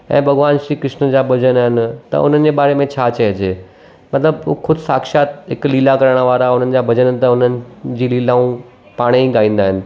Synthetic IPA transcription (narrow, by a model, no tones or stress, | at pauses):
ɛ̰̃ːbʱɐɣʋaːnʃɾiːkɾɪʃnəd͡ʑaːbʱɐd͡ʑənɦɪnɪ̆t̪ɐ̰ʊ̰n̤ənɪ̆d͡ʑeːbaːɾemẽt͡ɕʰaːt͡ɕɐed͡ʑʰeː | mɐt̪ləbʊxʊd̪ʱsaːkʃaːt̪ɦɪkliːlakɐɾəɽ̃ʋaːɾaʊn̤ənɪ̆d͡ʑaːbʱɐd͡ʑənənɪ̆t̪ɐʊnənɪd͡ʑiːliːlaũ | paːɽ̃iiɡaːĩːnd̪aːɦɪnɪ̆